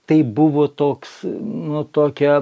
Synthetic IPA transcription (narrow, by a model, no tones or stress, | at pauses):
t̪ɐɪbʊʋoːt̪oːksnʊt̪oːkʲɛ